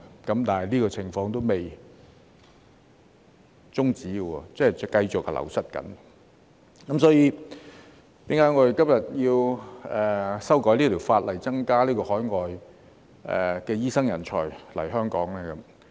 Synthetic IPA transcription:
kɐ˨˦˥mt̪aː˨nɐ˨jliː˥kɔː˧t͡sʰɪ˨˩ŋfɔː˧ŋt̪o˥wme˨j | t͡sʊ˥ŋt͡siː˨˥ɡə˧wɔ̰ː˧t͡sɐ˥hɛ˨˩jkɐ˧jt͡sʊ˨k̚lʔɐ̰˨˩wsɐ˥t̚kɐ̰˨˥n | kɐ˨˦msɔː˨˥jiː˧˥ | t̪iː˨˥ŋkaː˨˥jŋɔː˨˧d̪e˨jkɐ˥mjɐ˨t̚jiː˧wɛː˨˩sɐ˥wkɔː˨˥li˥t̪ʰiː˨˩wfaː˧t̚lɐ˨˩jt͡sɐ˥ŋkaː˥liː˥kɔː˧hɔː˨˥jŋɔː˨j | ɛ̰ː˨˩kɛː˧jiː˥sɐ˥ŋjɐ˨˩nt͡ʃʰɔ̰ː˨˩jlɐ̰˨˩jɦœː˥ŋkɔ̰ː˨˥ŋlɛː˥kɐ˨˦m

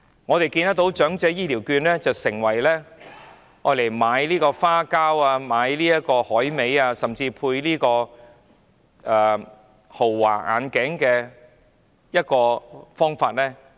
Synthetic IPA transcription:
ŋɔː˨˧t̪e˨jkiː˧nt̪ɐ˥k̚t̪o˨˥wt͡ʃœː˨˥ŋt͡sɛː˨˥jiː˥liː˨˩wkyː˧nlɛː˥t͡sɐ˨wsɪ˨˩ŋwɐ˨˩jlɛː˥ | ŋɔː˨˧le˨˩jmaː˨˥jliː˥kɔː˧faː˥kaː˥waː˧maː˨˧jliː˥jɐ˥t̚kɔː˧hɔː˨˥jme˨˧jaː˧sɐ˨˩mt͡siː˧pʰuː˧jliː˥kɔː˧ | ʔɛː˨ | ho˨˩wːa̰ː˨˩ʔa̰ː˨˧nkɪː˨˥ŋkɛː˧ | jɐ˥t̚kɔː˧fɔː˥ŋfaː˧t̚lɛː˥

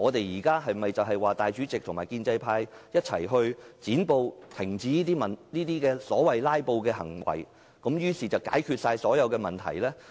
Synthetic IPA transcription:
ŋɔː˨˧t̪e˨jjiː˨˩kaː˥ɦɐ˨jmɐ˨˩jt͡sɐ˨wɦɐ˨jwaː˨˩t̪aː˨jt͡ʃyː˨˥t͡sɪ˨k̚t̪ʰʊ˨˩ŋmaː˨jkiː˧nt͡sɐ˧jpʰaː˧jjɐ˥t̚t͡sʰɐ̰˨˩jɦɵ˧ɥt͡siː˨˥npo˧wt̪ʰɪ˨˩ŋt͡siː˨˥niː˥t̪̬iː˥mɐ˨˩nniː˥t̪iː˥kɛː˧sɔː˨˥wɐ˨jlaː˥jpo˧wkɛː˧hɐ̰˨˩ŋwɐ̰˨˩j | kɐ˨˥mjyː˥siː˨t͡sɐ˨wka̰ː˨˥jkʰyː˧t̚saː˧jsɔː˨˥jɐ˨˧wkɛː˧mɐ˨nt̪ʰɐ̰˨˩jlɛː˥

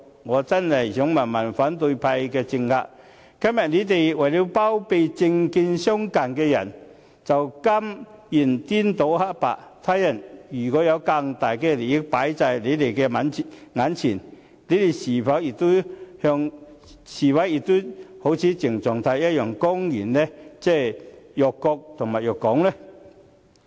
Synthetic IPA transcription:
ŋɔː˨˧t͡sɐ˥nhɐ˨˩jsʊ˨˥ŋmɐ˨˩nmɐ˨˩nfaː˨˥nt̪ɵ˧ɥpʰɐ˧jkɛː˧t͡sɪ˧ŋhaː˧k̚ | kɐ˥mjɐ˨t̚ne˨˧˥t̪̬e˨jwɐ˨˩jli˨˧wpaː˥wpe˧jt͡sɪ˧ŋki˧nsɔ˥ŋkaː˨˩nkɛː˧jɐ̰˨˩n | t͡sɐ˨˩wkɐ˥mji˨˩nt̪i˥nt̪o˨˥wha˥t̚pa̰ː˨k̚t̪ʰaː˥jɐ˨˩njyː˨˩kɔː˨˥jɐ˨˧wka˧ŋt̪aː˨jkɛː˧le˨˩jɪ˥k̚paː˨˥jt͡sa˨˧jle˨˧jt̪e˨jkɛ˧mɐ˨˧nŋaː˨˥nt͡sʰiː˨˩n | le˨˧jt̪e˨˩jsiː˨˩fɐ˨˥wjɪ˨k̚t̪o˥whœː˧ŋ | siː˨˩wɐ˨˥jjɪ˨k̚t̪o˥ho˨˥wt͡sʰiː˨˥t͡sɪ˨˩ŋt͡sɔː˨ŋt̪ʰaː˧jɐ˥t̚jœː˨˩ŋkʊ˥ŋjiː˨˩nlɛː˥t͡sɛː˥˩jœː˨˩kːɔː˧k̚t̪ʰʊ˨˩ŋma˨˩jœː˨˩kːɔː˨˥ŋlɛː˥

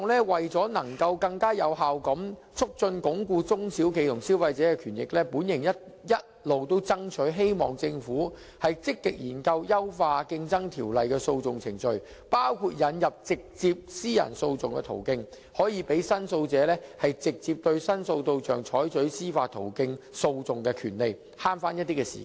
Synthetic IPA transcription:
ŋlɛː˥wɐ˨jt͡sɔː˨˥nɐ˨˩ŋkɐ˧wkɐ˧ŋkaː˥jɐ˨˧wɦaː˨wkɐ˨˥mt͡sʰʊ˥k̚t͡sɵ˧nkʊ˨˥ŋkuː˧t͡sʊ˥ŋsiː˨˥wkʰe˨˧jt̪ʰʊ˨˩ŋsiː˨˥wfɐ˧jt͡sɛː˨˥kɛː˧kʰyː˨˩njɪ̰˨k̚lɛː˥puː˨˥njɪ˨˩ŋjɐ˥t̚jɐ˦˥t̚lo˨wt̪o˥wt͡sɐ˥ŋt͡ʃʰɵ˨˥ɦe˥jmɔ̰ː˨ŋt͡sɪ˧ŋfuː˨˥ | hɐ˨jt͡sɪ˥kːɪ˨k̚jiː˨˩nkɐ˧wjɐ˥wfaː˧kɪ˧ŋt͡sɐ˥ŋt̪ʰiː˨˩wlɐ˨jkɛː˧so˧wt͡sʊ˨ŋt͡sʰɪ˨˩ŋt͡sɵ˨ɥ | paː˥wkʰuː˧t̚jɐ˨˥njɐ˨p̚t͡sɪ˨k̚t͡siː˧p̚siː˥jɐ̰˨˩nso˧wt͡sʊ˨ŋkɛ̰˧t̪ʰo̰˨˩wkɪ˧ŋ | hɔː˨˥jiː˨˧pe˨˥jsɐ˥nso˧wt͡sɛː˨˥lɛː˥hɐ˨jt͡sɪ˨k̚t͡siː˧p̚t̪ɵ˧ɥsɐ˥nso˧wt̪o˧wt͡ʃœː˨ŋt͡ʃʰɔː˨˥jt͡sɵ˨˥ɥsiː˥faː˧t̪ʰo̰˨˩wkɪ˧ŋso˧wt͡sʊ˨ŋkɛː˧kʰyː˨˩nle˨j | haː˥nfaː˥njɐ˥t̚t̪iː˥kɛː˧sḭ˨ka˥

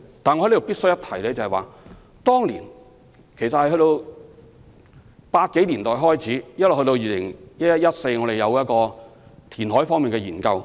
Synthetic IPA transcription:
t̪aː˨nɔː˧˥o˨wpiː˥tsɵ˥jɐ˥t̪ʰɐ˨˩jlɛ˨˧˥jt͡sɐ˨˩hɛ˨˩wa̰ː˨ | t̪ɔː˥ŋlḭː˨˩n | kʰe˨˩jsɐ˨thɐ˨jɦɵ˧jt̪o˧w | paː˧t̚ke˨˥jli˨˩nt̪ɔː˨jɦɔː˥jt͡sʰiː˨˥jɐ˥t̚lo˨hːt̪o˧wjiː˨˧lɪ˨˩ŋjɐ˥t̚jɐ˥t̚jɐ˥t̚se˧jŋɔ˨˧ɾe˨jɐ˨˧wjɐ˥t̚kɔː˧t̪ʰiː˨˩nɦɔː˨˥jfɔː˥ŋmiː˨nkɛː˧jiː˨˩nkɐ˧w

